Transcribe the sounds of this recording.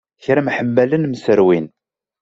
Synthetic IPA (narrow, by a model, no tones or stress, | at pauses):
çɾæmħəmːælənmsəɾwin